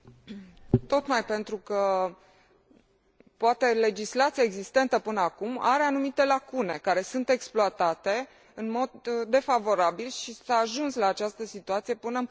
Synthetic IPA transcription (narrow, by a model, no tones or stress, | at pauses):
t̪o̞t̪majpe̞nt̪ɾukə | poat̪e̞le̞d͡ʒislat̪sijaeɡzist̪e̞nt̪əpɨnəakuma̰ɾe̞anumit̪e̞lakune̞kaɾe̞sunt̪e̞ksploat̪at̪e̞ | ɨnmo̞d̪ːe̞favo̞ɾabilʃisaːʒunslaːt͡ʃast̪əsit̪uat̪sije̞pɨnə